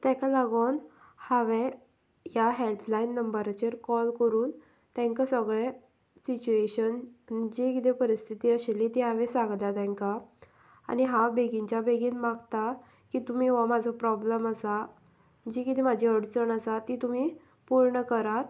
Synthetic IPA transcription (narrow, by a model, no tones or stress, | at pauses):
t̪ɛ̃kalaɡon | haʋẽ | jaɦelplainːəmbəɾt͡ɕeɾkɔlkəɾuːn | t̪ɛ̃ŋkasəɡɭẽ | sit͡ɕueɕənd͡ʑekit̪epəɾist̪ʰit̪iːəɕelit̪iɦaʋẽsãɡd̪at̪ɛ̃ŋka | a̰niɦabeɡiɲt͡ɕabeɡiːnmaɡt̪a | kiːt̪um̤iːʋamad͡zʱɔpɾɔbləməsa | d͡ʑikit̪imad͡ʑiəɽt͡səɳəsat̪ːit̪um̤i | puɾɳəkəɾat̪